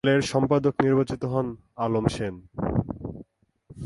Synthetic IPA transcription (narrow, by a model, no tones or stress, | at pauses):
leɾʃɔmpad̪okniɾbat͡ɕit̪oɦɔn | alomʃen